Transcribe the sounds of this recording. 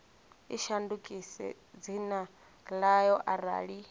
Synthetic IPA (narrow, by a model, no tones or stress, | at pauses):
iʃandukʼisɛ̰ | d͡zina | lajɔʔaɾa̰ːɺi